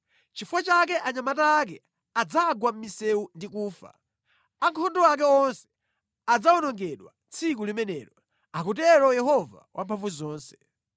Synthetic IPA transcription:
t͡ʃifwat͡ʃak̬ɛʔaɲamataːk̬ɛ | ad͡zaɡwam̩misɛundikuːfa̰ | aŋkʰɔndɔak̬ɛɔnsɛ̥ | ad͡zaɔnɔŋɡɛɗwa̰ | t͡sʰik̬ulimɛnɛ̰ɾɔ | ak̬ut̬ɛɾɔjɛɦɔva̰wʔa̰mpʰaɱvuzɔːnsɛ̥

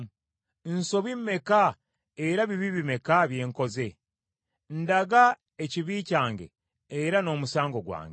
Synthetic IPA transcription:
nso̞βimːe̞ka | eɾaβiβiβime̞kaβje̞ːŋko̞ze̞ | n̩daɡa | eciβiːcaːŋɡe̞̰ː | ɾano̞ːmusaːŋɡo̞ɡwa̰ːŋɡe

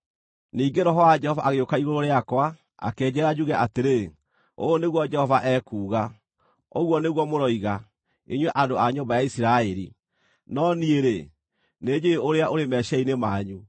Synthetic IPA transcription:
niːɡeɾɔɦɔwad͡ʒɛhɔvaʔaɣeokaiɣoɾoɾeakwa | a̰kɛːd͡ʑɛɾad͡ʒuɣɛʔateɾe | o̰oneɣwɔd͡ʒɛhɔvaʔɛːkuːɣa | oɣwɔneɣwɔmoɾɔiɣa | iɲwɛʔadoaɲombajaisiɾaɛɾḭ | nɔnieɾe | ned͡ʑeeoɾeaʔoɾemɛʃɛinemaɲu

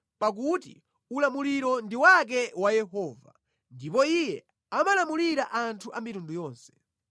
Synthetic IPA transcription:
pak̬utḭ | ulamuliɾɔndiwak̬ɛwajɛɦɔːva̰ | ndipɔijɛ̰ | amalamuliɾaʔantʰuʔamitundujɔːnsɛ̥

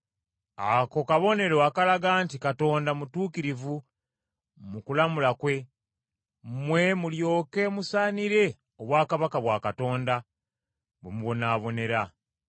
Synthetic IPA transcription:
ako̞kaβo̞ne̞ɾo̞akalaɡaːntikato̞ːndamutuːkiɾivu | mukulamulakwe̞ | mwe̞muljo̞ːke̞musaːniɾe̞ | oβwaːkaβakaβwaːkato̞ːnda | βwemuβo̞naːβo̞ne̞ɾa

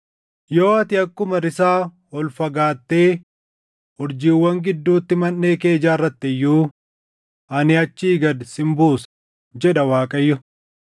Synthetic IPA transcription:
joːɐt̪ɪɐkːʊmɐɾɪsaː | ɔlfɐɡaːt̪ːe̞ː | ɔɾd͡ʒiːwːɐŋɡɪd̪ːuːt̪ːɪmɐnːe̞ːke̞ːd͡ʒaːrːɐt̪ːɛjːuː | ʔɐnɪɐt͡ʃːiːɡɐd̪sɪmbuːs | d͡ʒɛɗɐwaːkʼɐjːʊ

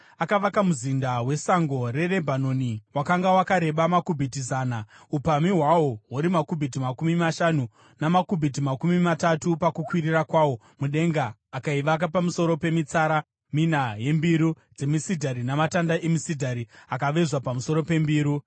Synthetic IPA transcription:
akaʋakamuzindawe̞saŋɡo̞ɾe̞re̞bʱanoniwakaŋɡawakaɾe̞ɓamakubʱitizaːna | upamiɦwawo̞ɦuɾimakubʱit̬imakumimaʃanu | namakubʱit̬imakumimatatupakukwiɾirakwawo̞ | muɗe̞ŋɡaː | kaiʋak̬apamuso̞ɾo̞pe̞mit͡saɾa | minaje̞mbiɾu | d͡ze̞misidʱaɾinamatandaʔemisidʱaɾiakaʋe̞ʐwapamuso̞ɾo̞pe̞mbiːɾu

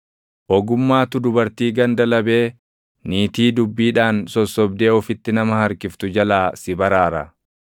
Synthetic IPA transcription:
ʔɔɡʊmːaːt̪ʊd̪ʊbɐɾt̪iːɡɐnd̪ɐlɐbe̞ː | niːt̪iːd̪ʊbːiːᶑaːnsɔsːɔb̚d̪e̞ːɔfɪt̪ːɪnɐmɐhɐɾkɪft̪ʊd͡ʒɐlaːsɪbɐɾaːɾɐ̰

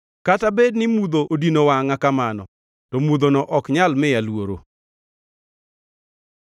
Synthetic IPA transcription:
katabednɪmud̪oʔodinowaŋakamanɔ̰ | tɔmud̪onɔʔɔkɲalmɪjalwoɾo̰

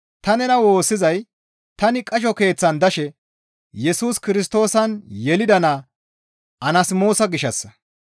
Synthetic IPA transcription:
t̪ɐnɛnɐwo̞ːsːɪzɐj | t̪ɐnɪkʼɐʃ̬ɔke̞ːt͡sːɐnd̪ɐʃɛ | jɛsuːskɪɾɪs̬t̪o̞ːsɐnjɛlɪd̪ɐna | ɐnɐsmo̞ːsɐɡɪʃɐsːɐ

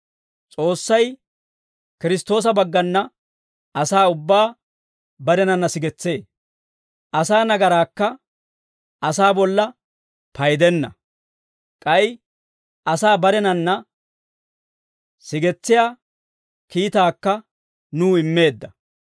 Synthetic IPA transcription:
t͡sʼo̞ːsːɐj | kɪɾɪst̪o̞ːs̬ɐbɐɡːɐnːɐ | ɐsaːʊbːaː | bɐɾɛnɐnːɐsɪɡɛt͡sːe̞ː | ʔɐsaːnɐɡɐɾaːkːɐ | ʔɐsaːbɔlːɐ | pɐjd̪ɛnːɐ̰ | kʼɐjɪ | ʔɐsaːbɐɾɛnɐnːɐ | sɪɡɛt͡sːɪjaː | kiːt̪aːkːɐ | nuːɪmːe̞ːd̪ːɐ

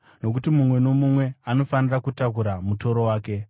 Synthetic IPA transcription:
no̞k̬utimumwe̞no̞mumwe̞ano̞fanirakutakuɾamuto̞ɾo̞waːke̞

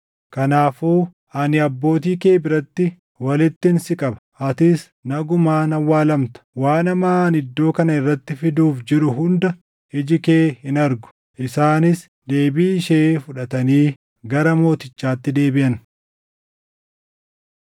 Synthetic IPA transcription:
kɐnaːfuː | ʔɐnɪɐbːo̞ːt̪̬iːke̞ːbɪɾɐt̪ːɪ | wɐlɪt̪ːɪnsɪkʼɐbɐ̥ | ɐt̪ɪs | nɐɡʊmaːnɐwːaːlɐmt̪ɐ̥waːnɐmaːnɪd̪ːo̞ːkɐnɐɪrːɐt̪ːɪfɪd̪uːfd͡ʒɪɾʊɦʊnd̪ɐ | ɪd͡ʒɪke̞ːhɪnɐɾɡʊ̥ | ʔɪsaːnɪs | d̪e̞ːbiːʃefʊᶑɐt̪ɐniː | ɡɐɾɐmo̞ːt̪ɪt͡ʃːaːt̪ːɪd̪e̞ːbɪʔɐn

